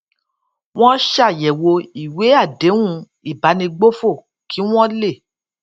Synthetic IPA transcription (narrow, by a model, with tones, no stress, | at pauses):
w̃ɔ̃˦ʃa˦˨jɛ˨wo˧i˨we˨˦a˦˨de˨˦ũ˦˧ | i˦˨ba˨˦nĩ˧ɡ͡bo˦fo˦˨ | kʰi˨˦w̃ɔ̃˦le˦˨